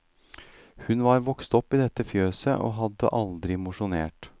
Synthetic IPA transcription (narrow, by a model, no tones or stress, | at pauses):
hʉnʋɑːɾʋɔkst̪ɔpːid̪ɛt̪ːəfjøːsə̰ʔo̰ːɦɑd̪ːə̰ʔɑld̪ɾɪmʊʂʊneːʈ